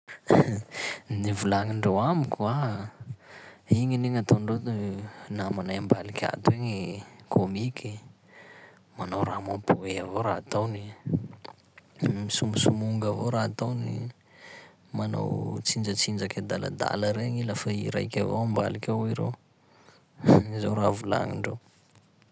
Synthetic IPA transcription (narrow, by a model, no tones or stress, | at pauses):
nivulaŋiɳɖ͡ʐowamikʲua | iŋiniŋat̪oɳɖ͡ʐot̪namanajambalikʲa̰t̪ueŋikʰomikʰi | manowɾamopueavoɾaat̪awni | misumusumuŋɡavoɾaat̪awni | mano̰wt͡sind͡ʒət͡sind͡ʒakad̪ala̰d̪a̰ləɾeɲilafaiɾa̰jkʲavo̰amba̰likʲawiɾew | za̰wɾavula̰ŋḭɳɖ͡ʐo